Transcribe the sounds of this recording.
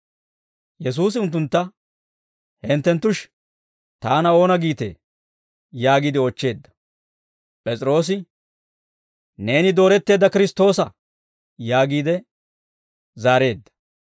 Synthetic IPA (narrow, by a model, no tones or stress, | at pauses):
jɛs̬uːs̬ɪʊnt̪ːʊnt̪ːɐ | hɛnt̪ːɛnt̪ːʊʃ | t̪aːnɐo̞ːnɐɡiːt̪ḛ | jaːɡɪd̪ɪot͡ʃːe̞ːd̪ːɐ̥ | pʼɛt͡sʼɪɾo̞ːs̬ɪ | ne̞ːnɪd̪o̞ːɾɛt̪ːe̞ːd̪ːɐkɪɾɪst̪o̞ːsɐ | jaːɡiːd̪ɛ | zaːɾe̞ːd̪ːɐ̥